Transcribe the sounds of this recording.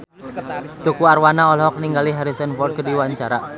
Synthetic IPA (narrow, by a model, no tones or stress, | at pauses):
t̪ukuarwanaɔlɔɦɔkniŋɡaliɦaɾisɔnfɔrd̪̚kədiwaɲt͡ʃaɾa